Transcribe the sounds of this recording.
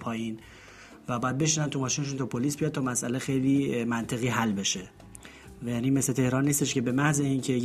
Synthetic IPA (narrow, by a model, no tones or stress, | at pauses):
pʰɒːjiːn | væbɒːjæd̪be̞ʃiːnænt̪ʰumɒːʃiːne̞ʃ̬uːnt̪ʰɔːpʰoliːsbijɒd̪̚t̪ʰːmæsʔæle̞xejliːmænt̪ʰe̞ɣiːɦælːbe̞ʃe̞ | vjæːnime̞sle̞t̪ʰe̞hɾɒːnːiːst̪e̞ʃkce̞be̞mæhzeincʰe̞j